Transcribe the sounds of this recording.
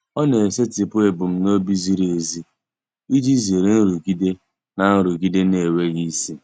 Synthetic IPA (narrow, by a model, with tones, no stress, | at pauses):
ɔ˦ne˨se˦tɪ˨pʊ˦e˨bʊ˨m̩˦no˦bi˦zi˦ɾe˨zi˦ | i˦d͡ʒi˦zi˨ɾe˨n̩˦ɾu˨ɡi˦de˦ | na˨n̩˦ɾu˨ɡi˦de˦ne˨we˦ɣi˦si˦